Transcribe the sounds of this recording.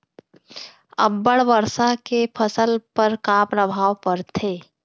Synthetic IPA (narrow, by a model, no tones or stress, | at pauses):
ə̰bːəɽʋəɾsaɦkepʰəsəlpəɾkaːpɾəbʱaːʋpəɾt̪ʰeː